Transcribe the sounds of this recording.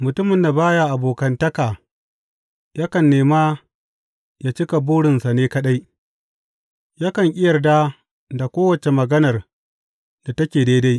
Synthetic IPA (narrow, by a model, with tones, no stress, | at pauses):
mʊ˨tʊ˦mɪ˨nːa˨baː˦ja˦ʔa˨boː˨kɐ˦ntɐ˦kaː˨ | jaː˦kɐ˨nːeː˨maː˦ | jaː˦t͡ʃɪ˦ka˨buː˦ɽɪ˨nsa˨neː˦kɐ˦ɗa˦j | jaː˦kɐ˨ŋʔʲʼɪ˦jɐ˨rdaː˦ | da˨kʷoː˦wɐ˨t͡ʃe˨mɐ˨ɡɐ˦nɐ˨r | d̥a˨tɐ˦kʲeː˨daː˦da˦j